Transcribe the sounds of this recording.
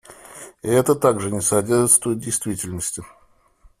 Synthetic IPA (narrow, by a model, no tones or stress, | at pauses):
ɪɛt̪ət̪aɡʐɨnʲɪsɐdʲerʐɨt̪st̪vəjʊdʲɪjst̪vʲitʲɪlʲnəsʲtʲɪ